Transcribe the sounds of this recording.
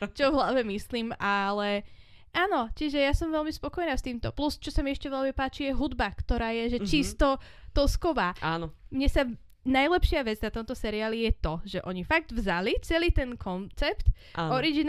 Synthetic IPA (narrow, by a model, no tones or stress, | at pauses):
t͡ʃɔvɦlaʋɛmisliːmalɛ | ʔaːnɔciʒɛjasɔmʋɛlmispɔkɔjnaːst̪iːmt̪ɔplust͡ʃɔsamiɛʃcɛʋɛlmipaːt͡ʃijɛɦud̪bakt̪ɔɾaːjɛʒɛt͡ʃist̪ɔ | t̪ɔskɔʋaːanɔmɲɛsa | najlɛpʃɪaʋɛd͡znat̪ɔmt̪ɔsɛɾiaːlijɛt̪ɔʒɛʔɔɲifaɡ̚d̪vzalit͡sɛliːt̪ɛnkʰɔnt͡sɛpt̪ː | ɔɾiɡin